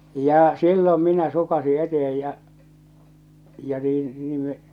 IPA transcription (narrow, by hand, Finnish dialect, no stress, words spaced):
jɑː silːom minæ sukɑsi etehej jɑ jɑ niːn niːm me